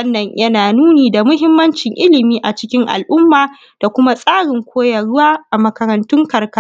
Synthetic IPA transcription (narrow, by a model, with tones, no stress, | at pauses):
ɐ˦nːɐ˨ɲjʔɐ˦naː˨nuː˦niː˨da˨mʊ˦ɦɪ˦mːɐ˦nt͡ʃɪ˨ŋʔɪ˦lɪ˨miː˦ʔa˨t͡ʃɪ˦kʲɪ˦ŋʔa̰˨lʔʊ˦mːaː˨ | d̥a˨kʷʊ˦ma˦sʼaː˦ɽɪ˨ŋkʷoː˦jɐ˨ɽʊ˦waː˦ʔa˨mɐ˨kɐ˨ɾɐ˨ntʊ˦ŋkɐ˨rka˦